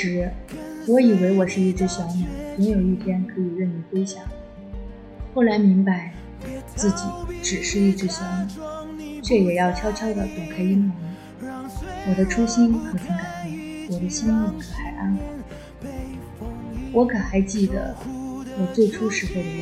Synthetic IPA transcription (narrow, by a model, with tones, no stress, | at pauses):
ɻ̩˧˥wɔ˧˥i˨˩we˧˥ɪwɔ˨˩ʂɻ̩˥˧i˥˩ʈ͡ʂɻ̩˧˥ɕjɑ˧˥ʊmɛ˨˩˦jʊ˧˥ŋjo˨˩ʊi˥˩t̪ʰjɛ˥nkʰɤ˧˥i˨˩ɻə˥˩ni˨˩kwe˥ɪɕjɑ˨˩˦ŋ | xo˥˩ʊla˧˥ɪmi˧˥ŋpa˧˥ɪ | t͡sɹ̩˥˩t͡ɕi˨˩˦ʈ͡ʂɻ̩˨˩ʂɻ̩˥˧i˥˩ʈ͡ʂɻ̩˧˥ɕjɑ˧˥ʊmɛ˨˩˦ŋt͡ɕʰɥɛ˥˩jɛ˨˩jɑ˥˩ʊt͡ɕʰjɑ˥ʊt͡ɕʰjɑ˥ʊd̪ə˨p̪jɑ˨˩ʊkʰa˥ɪi˥nmə˧˥ŋ˧ | wɔ˨˩d̪ə˦ʈ͡ʂʰu˥ɕi˥nxʰa˧˥tʰi˧˥ŋka˨˩npjɛ˥wɔ˨˩d̪ə˦ɕi˥ni˥˩kʰə˧˥xa˨˩ɪʔa̰˥˩n˨˩˦ | wɔ˧˥kʰə˨˩xa˧˥ɪt͡ɕi˥˩d̪ə̰˩wɔ˨˩t͡swe˥˩ɪʈ͡ʂʰu˥ʂɻ̩˧˥fe˥˩ɪ˧˥